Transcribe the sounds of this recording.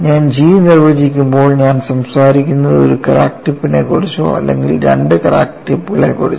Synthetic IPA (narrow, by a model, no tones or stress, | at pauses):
ɲaːnd͡ʑiːʋnirʋɐd͡ʑikʲːumbo̞ːɭɲaːnsɐmsaːɾikʲːunːɐðoɾukɐɾa̰ːkʈipːinḛkoɽut͡ɕːo̰ːɐ̰lːḛŋɡilɾḛɳɖɨkɐɾa̰ːk̚ʈipːɣɐɭḛkoɽut͡ɕː